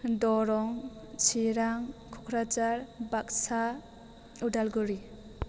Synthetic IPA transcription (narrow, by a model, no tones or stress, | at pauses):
dɔɾɔŋsʰiɾaŋkʰu̥kʰɾat͡ʃaɾbak̚sa | udalɡuɾi